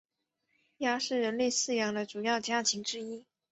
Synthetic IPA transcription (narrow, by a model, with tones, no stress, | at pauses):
ja˥ʂɻ̩˥˩ɻə˧˥nle˥˧ɪsɹ̩˥˩jɑ˧˥ŋd̪ə˧ʈ͡ʂu˨˩jɑ˥˩ʊt͡ɕja˥tʰi˧˥ŋʈ͡ʂɻ̩˥i˥